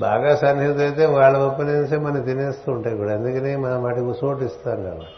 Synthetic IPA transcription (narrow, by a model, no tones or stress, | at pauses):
ba̰ːɡaːsɐnjut̪ɐjt̪e̞ːʋaːɭːɐʋɐpːɐneːnseːmɐnɐt̪ineːst̪uːɳʈaːjikuɽaɐnd̪ukɐneːmɐnɐʋaːʈikusoːʈist̪aːnka̰ːna